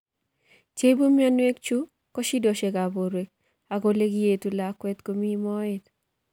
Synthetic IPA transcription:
t͡ʃe˦bo˦mi˦ɔ˦nwe˦kt͡ʃu˦ | kɔ˦ʃi˦do˨ʃe˨ka˨bo˨ɾwe˨k̚ | a˨ko˦le˦ki˦je˨tu˨la˨kwɛ˦t̪ko˨mi˦mɔ˦ɪ˦t

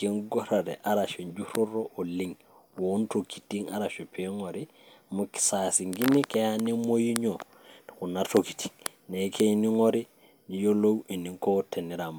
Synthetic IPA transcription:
ke˦ŋɡo˦ɾa˨ɾɛ̰˨ʔa˦ɾa˨ʃo˨ɲd͡ʒu˦ɾo˦ɾoʔo˨li˦ŋ | wo˨nto˨kʰi̥˨ti˦ŋa̰˦ɾa˨ʃo˨pʰe˦ŋo˨ɾi˦ | mu˦ki̥˨sa˨si˨ŋɡi˦ni˦ke˦ja˦ni˦mo˦ji˦ɲo | ni˨ku˨nato˨ki̥˨ti̥˨ŋ | ne˨˦kʰe˦ini˦ŋo˦ɾi˦ | ni˨jo˦lo˦wi˨ni˨ŋko˦te˨ni˦ɾa˨m

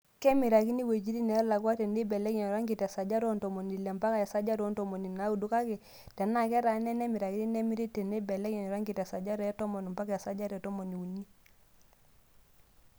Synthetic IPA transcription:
kɛ˦mi˨ɾa˨ki˦ni˦we˨d͡ʒi˦ɾi˦nɛ˨˦la˨kwa˦tɛ˨ne˦bɛ˨lɛ˦kɛ˨ɾa˦ŋɡi˨tɛ˨sa˨d͡ʒa˦ɾɔ˦ntɔ˨mɔ˨ni˨lɛ˨mpa˦ka˨ja˨sa˦d͡ʒa˦ɾɔ˦ntɔ˨mɔ˨ni˨na˨˦u˦˨du˦ka˦kɛ˨ | tɛ˨na˦˨kɛ˦ɾa˨˦nɛ˦nɛ˦mi˨ɾa˨ki˦ni˦nɛ˦mi˦ɾi˦tɛ˨ne˦bɛ˨lɛ˦kɛ˨n˨ɾa˦ŋɡi˨tɛ˨sa˨d͡ʒa˦ɾɔ˨˦jɛ˦tɔ˦mɔ˨ni˨mpa˦ka˦˨a˨sa˦d͡ʒa˦ɾɛ˨tɔ˦mɔ˨ni˨u˨ni˦

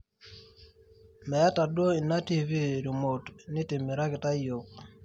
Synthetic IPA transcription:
mɛ˨a˦ta˨dwo˦i˨na˦ti˦vi˦ɾi˨mo˨tnɪ˦tɪ˨mɛ˨ɾa˦kɪ˨ta˦jo˨k̚

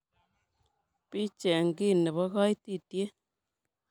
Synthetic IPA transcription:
pi˦t͡ʃɛ˨ŋɡi˦ne˨βɔ˦ɣɔ˦jti˦˨tje˦

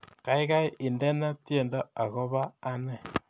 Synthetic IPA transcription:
ka˨i˦ɣa˦i˦ʔi˨nde˦na˦tje˨nda˦a˨ɣo˦βaː˦ne˦˨

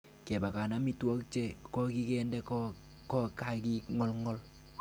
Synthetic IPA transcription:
kɛ˨ba˨ka˨na˦mi˦twɔ˦k̚t͡ʃɛ˦kɔ˦ki˦kɛ˦ndɛ˦k | kɔ˦ka˦˨ki˦ŋɔ˦lŋɔ˦l

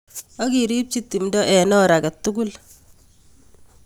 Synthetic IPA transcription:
ɔ˦ki˨ɾi˦p̚t͡ʃi˦tːi˨mdɔ˦ʔɛ˨nɔ˦ɾa˨kɛ˨tːu˦ɡu˦l

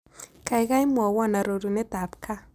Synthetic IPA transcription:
ka˨jɣa˦jmwɔ˨wɔ˦na˨ɾo˨ɾu˨nɛ˦t̪a˨p̚kʰa˦

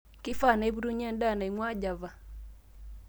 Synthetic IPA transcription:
ki˦fa˦˨na˨i˦bu˦ɾu˦ɲa˦n˦da˦˨na˨i˨ŋwa˦d͡ʒa˨va˨

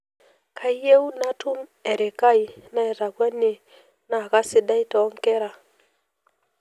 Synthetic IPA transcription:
kʰa˨i˦je˦u˦na˦tu˦mɛ˨ɾe˨ka˦i˨na˦ɛ˨ɾa˨ɡwa˦ne˨ | na˨ka˦sɪ˦da˦i˦tɔ˨˦ŋkɛ˦ɾa˨

